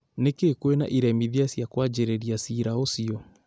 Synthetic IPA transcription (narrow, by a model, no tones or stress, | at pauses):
nekekwena̰ʔiɾɛmiðiasjakwad͡ʒeɾeɾiasiːɾaosiɔ